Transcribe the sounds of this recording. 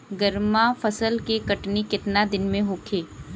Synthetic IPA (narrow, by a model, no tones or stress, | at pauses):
ɡəɾmafəsəlkekɐʈnikɪt̪nad̪ɪnmẽɦoːkʰeː